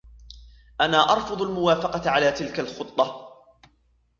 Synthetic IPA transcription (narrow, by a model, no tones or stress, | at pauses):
ʔanaːʔɑɾˤfʊd̪ˤalmʊwaːfɑqɑt̪ʕalaːt̪ɪlkalxʊt̪ˤːɑ